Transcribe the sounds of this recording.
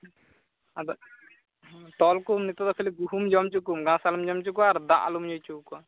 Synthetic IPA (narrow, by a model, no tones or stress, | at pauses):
d̪ | ʈɔlkumnit̪ɔd̪ɔpʰiliɡuɦumd͡ʒɔmt͡ʃukumɡãsalumd͡ʒɔmt͡ʃukuaɾd̪aʔa̰lumd͡ʒɔjt͡ʃukɔa